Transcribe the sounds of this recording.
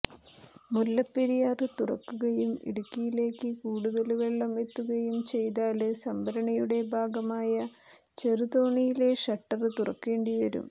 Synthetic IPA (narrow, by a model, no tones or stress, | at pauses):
mulːɐpːeɾijaːrɨt̪urɐ̰kːuɣɐjumḭɽukʲːijile̞ːkːɨkuːɽuðɐlʋe̞ɭːɐme̞t̪ːuɣɐjumt͡ɕe̞jt̪aːlɨsɐmbʱɐɾɐɳɐjuɽe̞bʱaːɡɐmaːjɐ | t͡ɕe̞ruðo̞ːɳijile̞ʂɐʈːɐrɨt̪urɐ̰kːe̞ːɳɖiʋɐɾṵm